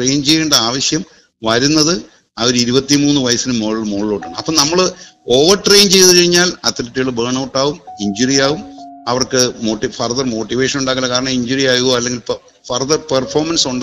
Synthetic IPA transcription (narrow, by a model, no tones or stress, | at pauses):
ʈrejnt͡ɕejːeːɳɖɐaːʋɐɕjɐm | ʋɐɾunːɐðɨ | ɐoɾiɾubɐt̪ːimuːnːɨʋɐjɐsinɨmːoːɭmoːɭilo̞ːʈːaːɳɨɐpːoːnɐmːɐɭɨo̞ːʋɐrʈre̞jnt͡ɕe̞jðɨkɐɻiɲːaːlɐt̪ːɾitːijɐɭɨbeːɳɐwʈːaːʋumiɲd͡ʑuɾijaːʋumɐʋɐrkɨmo̞ːʈːifɐrðɐrmo̞ːʈːiʋe̞ːʂɐnuɳɖaːkːɐlːɐkaːɾɐɳɐmiɲd͡ʑuɾijaːkuɣoːɐlːe̞ŋɡilp | fɐrðɐrpɐrfo̞ːmɐnsuɳɖ